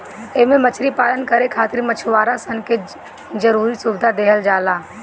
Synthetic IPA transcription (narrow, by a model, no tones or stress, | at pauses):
emẽmət͡ʃʰɾipaːlənkəɾekʰaːt̪ɪɾmət͡ʃʰʋaːɾasənke | d͡ʒəɾuːɾisʊbɪd̪ʱad̪eːɦəld͡ʒaːlaː